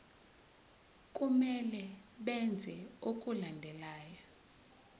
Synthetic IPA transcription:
k̬ʼumɛlɛɓɛnd͡zʱɛok̬ʼulandʱɛlaːja

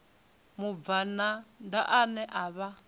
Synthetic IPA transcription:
muvanandaʔanɛʔaβa

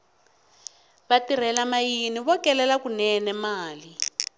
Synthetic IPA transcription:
βatiɾ̤ɛlamajiniβɔkɛlɛlakunɛnɛmaːli

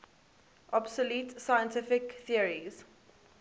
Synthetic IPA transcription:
ʔɔbsəluˑtsaɪjə̃ntʰɪfɪkθiəɹiz̥

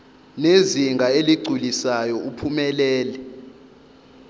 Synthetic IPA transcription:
neziŋɡʱaeliɡ͡ǀʱulisajɔupʰumɛlɛːlɛ

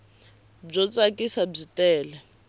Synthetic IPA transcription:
b͡ʐɔt͡sʼakʼisab͡ʐitʼɛːlɛ

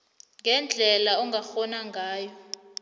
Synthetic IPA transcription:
ŋɡʱɛnd͡ɮʱɛlaɔŋɡʱaxɔnaŋɡʱaːjɔ

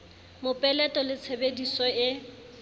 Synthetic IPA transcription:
mʊpʼɛlɛtʼɔlɪt͡sʰebedisɔɪ

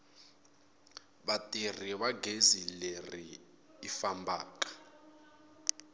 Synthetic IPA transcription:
βatʼir̤iβaɡʱezileriː | fambaːkʼḁ

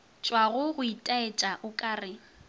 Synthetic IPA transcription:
t͡ʃʼwaɣʊɣʊitʼaet͡ʃʼaʔʊkʼaːrɪ

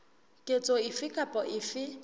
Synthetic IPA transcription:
kʼet͡sʼoɪfɪkʼapʼɔʔɪfɪ

